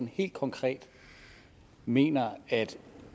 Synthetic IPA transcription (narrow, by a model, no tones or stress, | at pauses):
nhe̝̰ːld̥̚kʰɒ̽ŋkʰʁɛ̰ːd̥ | me̝̰ːnɐæd̥